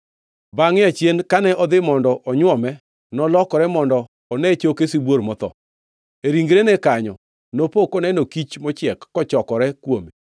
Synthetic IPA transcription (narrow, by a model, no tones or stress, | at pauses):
baŋɪat͡ʃjenkanɛʔɔd̪ɪmɔndɔʔɔɲwɔmɛ | nɔlɔkɔɾɛmɔndɔː | nɛt͡ʃokesibwoɾmɔt̪ɔ̰ | eɾiŋɡɾenekaɲɔ̰ | nopokɔnɛnokit͡ʃmɔt͡ʃjɛkːɔt͡ʃɔkɔɾɛkwome